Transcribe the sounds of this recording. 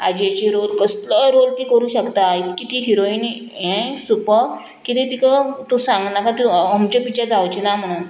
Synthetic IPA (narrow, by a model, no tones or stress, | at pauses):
ad͡ʑiat͡ɕiɾolkəsləɾolt̪iːkəɾuːɕəkt̪ait̪kit̪iɦiɾoiːn | ẽsupəɾ | kit̪ĩt̪ikət̪usãŋɡnakat̪uəmt͡ɕapit͡ɕad͡zʱawt͡ɕinam̤əɽ̃uːn